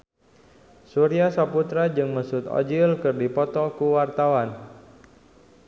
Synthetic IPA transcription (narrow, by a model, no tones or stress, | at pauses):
suɾiasaput̪ɾad͡ʒɨŋməsut̪ɔ̰d͡ʒilkɨrdipɔt̪ɔkuwart̪awan